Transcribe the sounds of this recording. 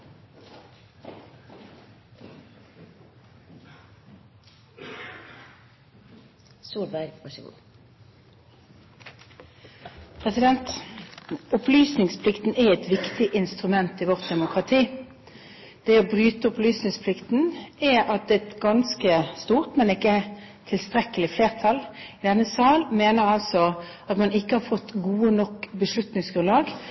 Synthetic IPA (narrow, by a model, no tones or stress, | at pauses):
suːlbæɡpʰɑsṵː | pʰʁɛsɪd̪ɛnt̪ | ʊplyːsnɪŋspʰlɪkt̪n̩ɛɛt̪ʋɪkt̪ʰɪʔɪnst̪ʁʉmɛnt̪ɪʋɔʁt̪̚d̪ɛmʊkʁɑt̪ʰiː | d̪̥ɛɔbʁyːt̪əʊplyːsnɪŋspʰlɪkt̪n̩ɛɑt̪̚d̪ɛːɛt̪ɡɑnskəst̪uːʁt̪mɛnɪkːət̪ʰɪlst̪ʁɛkəlɪfleːʁt̪ʰɑlɪd̪ɛnːəsɑːlmeːnəʁɑlsɔ | ɑt̪mɑnɪkːəhɑʁfɔt̪ːɡuːənɔkːbəʂlʉt̪nɪŋsɡ̥ʁʉnlɑːɡ